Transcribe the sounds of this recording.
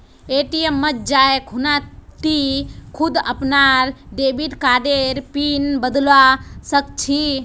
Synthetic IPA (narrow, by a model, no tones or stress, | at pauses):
eʈijemːət͡ʃd͡ʒaekɦunat̪ikʰud̪əpnaɾɖebiɖkaɖeɾpinbəd̪lwasək̚t͡ʃʰi